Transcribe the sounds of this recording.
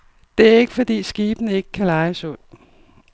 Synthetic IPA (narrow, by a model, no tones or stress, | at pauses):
d̥e̝æɐe̝ɡ̥əfɒ̽d̥ḭːsɡ̥iːb̥nəe̝ɡ̥əkʰælɑ̈ɪsɔl̰